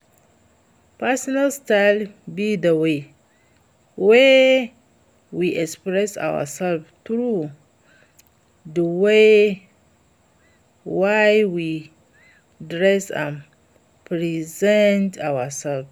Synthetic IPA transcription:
pɛsɔnalstaɪlbidəwe | wɛ | wiʔɛkspɹɛsa̰wə̰sɛlvtɹu | dəwe | wajwi | dɹɛsã̰n | pɹizɛ̃ntʰawəsɛlv

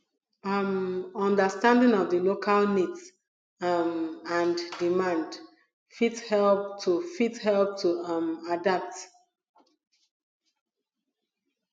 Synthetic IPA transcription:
mɔ̃ndəstãndɪ̃ŋɔvðəlokʰalnids | mãnddimãnd | fithɛlp̚tʰufithɛlp̚tʰumadap̚t

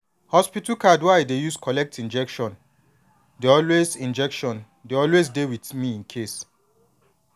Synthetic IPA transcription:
hɔspitukadwajdejuskʰɔlɛk̚tʰĩnd͡ʒɛkʃɔ̃n | deɔlwezĩnd͡ʒɛkʃɔ̃n | deɔlwes̬dewitmiĩnkʰes

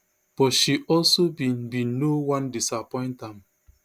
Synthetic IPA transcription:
b̥ɔtʃiʔɔlsobibinowãndisapɔ̃ɪ̃ntãm

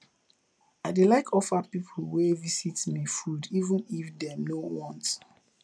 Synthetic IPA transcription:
aɪdelaɪkʰɔfapipʰl̩wɛvisitmifudivə̃nifdɛnowɔ̃nt

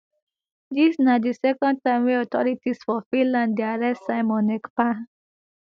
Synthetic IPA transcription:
d̪isnad̪isɛkɔ̃nd̚tãɪ̃mwiɔt̪ʰɔ̰ɾitisfɔfĩnlãnd̪iaɾɛssaɪmɔnekpa

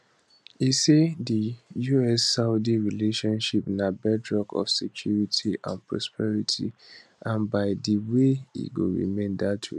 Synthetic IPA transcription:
isedijuɛsːaʊdiɹileʃɔ̃nʃipnabɛdɹɔɡɔ̰fsɛkʰjuɹitʰiʔã̰npʰɹɔspʰɛɹitʰḭ | ʔãnbaɪdəweḭɡo̰ɹḭmẽndatʰu

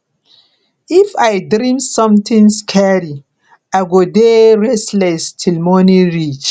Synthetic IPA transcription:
ifajdɾĩmsɔ̃mt̪ĩŋskʰɛɾi | aɪɡodeɹɛslɛstʰilmɔnĩɹit͡ʃ

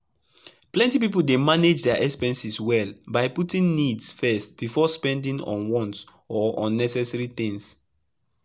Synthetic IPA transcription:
plɛ̃ntipipoldemaned͡ʒdɛaʔɛkspɛ̃nsiswɛlbajputĩŋnidsfɛst̚b̥ifɔspɛ̃ndĩŋɔ̰̃nwɔ̃nts | ɔʔɔ̃nːɛsɛsaɹiθĩŋs

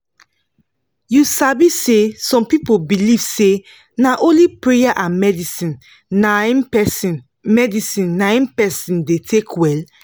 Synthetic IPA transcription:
jusabisesɔ̃mpipobiliv̥se | naʔõnlipɹejaʔãmɛdisĩn | anɛsn | mɛdisĩnːãj̃npɛsĩndetʰekʰwɛl

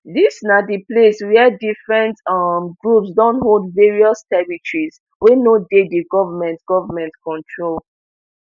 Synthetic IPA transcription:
disnadipleswɛdifɹɛ̃ntmɡɹupsdɔ̃ntɦoldveɹiɔstɛɹitɹiz | wenodediɡɔvəmɛ̃ntɡ̥ɔvəmɛ̃ntkɔ̃ntʰɹol

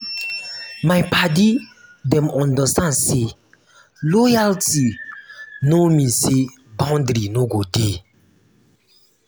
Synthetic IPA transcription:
majpadidɛ̃mɔ̃ndəstãndse | lɔjalti | nomise | bãwndɾinoɡode

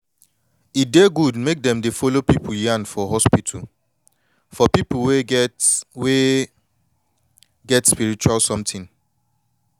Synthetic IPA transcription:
ideɡudmek̚dɛ̃mdefolopipʰuljãnfɔɦɔspitʰul | fɔpipulwe | we | ɡɛtspiɹit͡ʃualsɔ̃mtʰĩn

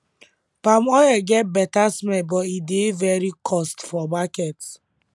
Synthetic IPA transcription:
pamɔjɛɡɛt̚bɛtasmɛbɔidevɛɾikʰɔstfɔmakɛt

